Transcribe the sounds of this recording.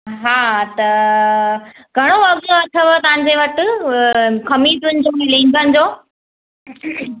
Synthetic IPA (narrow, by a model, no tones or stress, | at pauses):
ɦaːt̪ɐ | ɡʱɐɽ̃oʋɐɡt̪oɐt̪ʰɐʋət̪ɐʋ̤ãɲ̆d͡ʑeʋɐt̪ɪ̆ | kʰɐmit̪ʊnɪd͡ʑoɦĩlẽːn̆d̪ənɪ̆d͡ʑoː